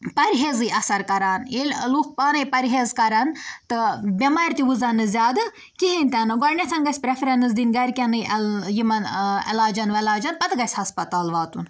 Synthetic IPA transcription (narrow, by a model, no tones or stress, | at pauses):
pɐɾʲɦeːzɨʔɐsɐɾkɐɾaːnil̰ʲluːk̚paːnɐjpɐɾʲɦeːzkɐɾɐnt̪ɨbʲɐmaːɾʲt̪iʋuzɐnɨzʲaːd̪ɨ | kiɦinʲt̪ʲɐnɨɡɔɾnʲet̪ʰɐnɡɐsʲpɾefʰɾʲɐnɨsd̪inɡɐɾʲkʲɐnɨɐljimɐnɐ̰laːd͡ʒɐnʋɐlaːd͡ʒɐnpɐt̪ɡɐsʲhɐspɐt̪aːlʋaːt̪un